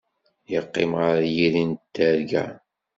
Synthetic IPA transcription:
jəqːḛmʁaɾjiɾint̪ːæɾɡæ̰

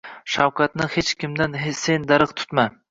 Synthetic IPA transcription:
ʃawkʰɑt̪nɪhet͡ʃkʲʰɪmd̪anesend̪aɾɨqt̪ʰʊ̥t̪ma

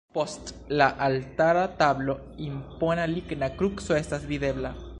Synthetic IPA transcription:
po̞st | laʔaltaɾat̪ablo̞ | impo̞naliɡnakɾukso̞e̞stasviðe̞bla

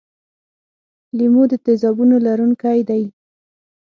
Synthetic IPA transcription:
limod̪ət̪ezɑbunolaɾunkajd̪aj

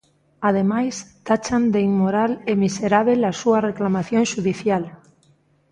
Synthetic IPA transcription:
að̞emajst̪at͡ʃand̪eiŋmoɾalemiseɾaβelasuɐreklamaθjõŋʃuðiθjal

